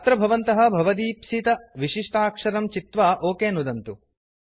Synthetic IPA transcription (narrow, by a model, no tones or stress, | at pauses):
t̪ɾɐbʱɐʋɐnt̪ɐɦɐ̆bʱɐʋɐd̪iːpsit̪ɐʋiʂiʂʈʰaːkʂɐɾɐmt͡ʃit̪ʋaːʔoːkeːnud̪ɐnt̪u